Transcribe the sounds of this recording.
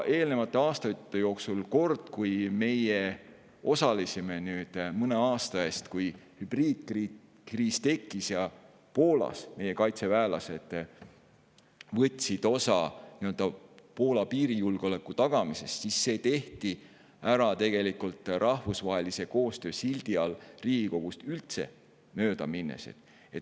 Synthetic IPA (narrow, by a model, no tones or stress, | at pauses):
ʔe̞ːlne̞vɑt̪ːˑe̞ɑːst̪ɑt̪ːejo̞ːksulko̞rd̪̥kujme̞je | o̞sɑlisime̞nyːd̪̥mɤne̞ɑːst̪ɑe̞ːst̪kujhyb̥riːd̪̥̚kri | kriːst̪e̞kːˑisjɑ | po̞ːlɑ̰sme̞je̞kɑjt̪se̞væːlɑ̰se̞d̪̥ | vɤt̪ʲːˑsid̪̥o̞sɑniø̞ld̪̥ɑpo̞ːlɑpiːɾijulɡ̥eo̞le̞kːˑut̪ɑɡ̥ɑmise̞st̪sisːe̞ːt̪e̞ht̪i | æɾɑt̪e̞ɡ̥e̞likult̪ˑrʔɑhvusvɑɦelise̞ko̞ːst̪ø̞ːsild̪iɑlriːɡ̥iko̞ɡ̥ust̪ylt̪se̞̰ | mø̞ːd̪ɑminːḛse̞̰t̪ | et̪